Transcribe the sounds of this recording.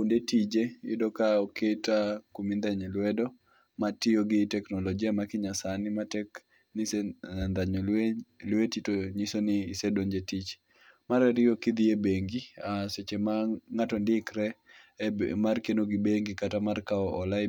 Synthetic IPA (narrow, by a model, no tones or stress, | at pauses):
kundetid͡ʒeɪdɔkaɔketakumind̪ɛɲɛlwɛdɔ | matɪoɡɪtɛknɔlɔd͡ʒiamakɪɲasanɪmatɛk | niseand̪aɲɔlelwetitoɲisonɪːsedoɲd͡ʒetit͡ʃ | maɾɛɾɪɔkɪd̪iebeŋɡiaswet͡ʃemaŋatɔndɪkɾɛ | markenoɡibeŋɡikatamarkaɔʔɔla